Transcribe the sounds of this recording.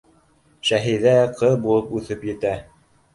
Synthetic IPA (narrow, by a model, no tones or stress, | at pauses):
ʃæɦiðæqʰɤðbulˠɤpʉθɘpjɘ̆t̪æ